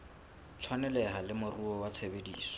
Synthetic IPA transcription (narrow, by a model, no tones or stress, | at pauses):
t͡sʰwanɛlɛɦalɪmʊruɔwat͡sʰebedḭːsɔ̥